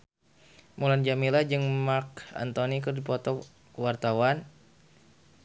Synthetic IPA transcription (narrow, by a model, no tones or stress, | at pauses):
muland͡ʒamilad͡ʒɨŋmarka̰nt̪onikɨrdipɔt̪ɔ | wart̪awan